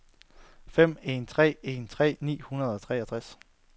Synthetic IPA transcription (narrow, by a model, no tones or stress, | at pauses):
fem̰e̝nt͡sʰʁɛ̰ːe̝nt͡sʰʁɛ̰ːnḭːhunɐð̞ˠɒt͡sʰʁɛ̰æt͡sʰʁas